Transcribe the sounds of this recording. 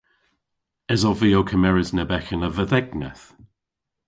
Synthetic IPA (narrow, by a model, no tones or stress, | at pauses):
ɛzɔlviowkʰəmɛɹɪznɛbɛxənəvəðɛɡnɛ̰θ